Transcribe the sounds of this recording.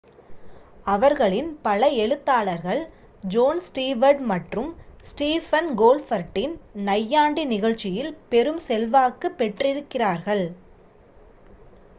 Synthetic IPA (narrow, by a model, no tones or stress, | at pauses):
ɐʋɐɾɣɐɭɪnpɐlɐɛɻɯt̪ːaːɭɐɾɣɐɭ | d͡ʒoːnsʈiːʋɐɾɖmɐʈrɯmsʈiːfɐnɡoːlfɐɾʈːɪnnɐjːaːɳɖinɪɣɐɻt͡ʃːɪjɪlpɛɾɯmsɛlʋaːkːɯpːɛʈrɪɾɯkːɪraːɾɣɐɭ